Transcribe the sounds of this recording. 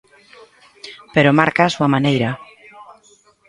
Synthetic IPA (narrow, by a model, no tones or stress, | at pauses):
peɾomaɾkaːsuamanejɾa